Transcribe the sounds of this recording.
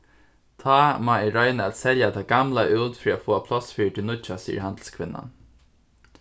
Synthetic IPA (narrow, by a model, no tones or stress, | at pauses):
t̪ʰɑːmɑːiːɾœʏnəæt̪sɛljat̪ʰɑːɡ̥ɑmlɑʔʉːdt̪fɾiːoːfoːɑpʰlɔsfʏːʈɪnʊt͡ʃasḭːə̰ɹhɑnd̪l̩skʰʋɪnɑ̰n